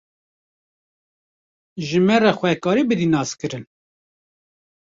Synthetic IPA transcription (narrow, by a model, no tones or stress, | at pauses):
ʒɨmɛrɛxʷɛkɑːɾibɨd̪inɑːskɨɾɨn